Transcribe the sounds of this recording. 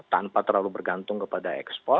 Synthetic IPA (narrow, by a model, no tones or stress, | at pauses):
t̪ampat̪ərlalubərɡant̪ʊŋkəpadaɛ̰kspɔ